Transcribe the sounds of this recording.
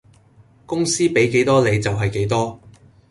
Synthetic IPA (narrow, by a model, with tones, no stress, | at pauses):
kʊ˥ŋsiː˥pe˨˥jke˨˥jt̪ɔː˥le˨˧jt͡sɐ˨wɦɐ˨jke˨˥jt̪ɔː˥